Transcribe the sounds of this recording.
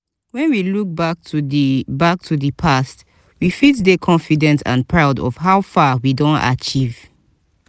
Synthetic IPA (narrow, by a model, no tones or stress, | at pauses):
wɛ̃nwiluk̚bak̚tʰubak̚tʰuðəpʰast | wifitdekʰɔ̃nfidɛ̃ntã̰npʰɹaʊdɔ̰fɦaʊfawidõnta̰t͡ʃiv̥